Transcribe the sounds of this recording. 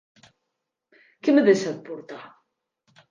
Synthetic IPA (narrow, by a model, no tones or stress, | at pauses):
kəmðæsæðbʊɾt̪ˤɑ